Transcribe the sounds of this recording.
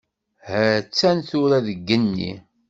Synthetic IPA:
hæt͡sːænθʊɾæðəɡːənːḭ

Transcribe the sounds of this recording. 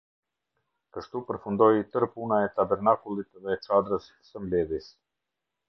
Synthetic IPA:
kəʃt̪upəɾfund̪ɔjt̪əɾpunaɛt̪abɛɾnakulˠit̪ðɛt͡ʃad̪ɾəs | səmlɛðjis

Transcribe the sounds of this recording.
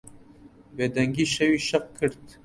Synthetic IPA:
veːd̪ɛŋɡiːʃɛwiːʃɐq̚kʰːɨɾt̪

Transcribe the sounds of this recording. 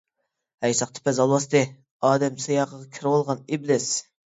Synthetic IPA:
hɛjsɑqt̪ʰɪ̥pʰɛzɑlˠwɑst̪ɨ | ɑːd̪ɛmsejɑːqəʁɑkʲʰiɾwɑlˠʁɑnɪblɪs

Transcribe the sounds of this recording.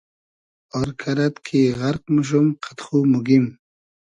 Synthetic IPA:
ɔɾkʰaɾat̪kʰiɣaɾqmuʃ̬umqʰḁt̪χumuɡim

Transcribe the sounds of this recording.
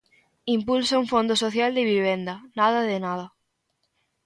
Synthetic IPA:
impulsaũɱfõnd̪osoθjald̪eβiβ̞end̪ɐnað̞ɐðenað̞ɐ

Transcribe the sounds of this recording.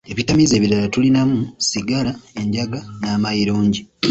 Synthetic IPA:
eβitamize̞ːβilalatulinamusiɡalae̞ɲɟaɡanaːmajiɾoːɲɟi

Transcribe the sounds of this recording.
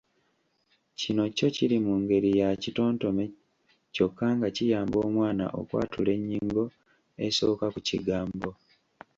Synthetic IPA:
cino̞co̞ciɾimuŋɡe̞ɾijacito̞ːnto̞me | co̞kːaŋɡacijaːmbo̞ːmwaːna̰ʔo̰kwa̰ːtule̞ɲːiŋɡo̞ | e̞so̞ːkakuciɡaːmbo̞

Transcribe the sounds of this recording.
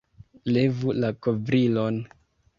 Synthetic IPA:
le̞vulakovɾilo̞n

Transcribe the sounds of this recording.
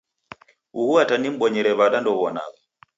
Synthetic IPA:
uhuatanim̩ɓɔɲɛɾɛβaɗandɔβɔna̰ɣa

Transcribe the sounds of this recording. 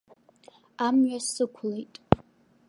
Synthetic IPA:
amɥasɨkʷʰlejtʼ

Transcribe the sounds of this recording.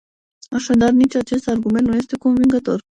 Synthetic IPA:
ɑʃɑd̪ɑɾnit͡ʃʰat͡ʃɛst̪ɑɾɡumɛnt̪nujɛst̪ɛkɔnviŋɡat̪ɔɾ

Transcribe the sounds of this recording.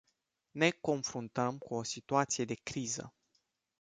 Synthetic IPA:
ne̞ko̞nfɾunt̪əmkuo̞sit̪uat̪sije̞d̪e̞kɾizə̰

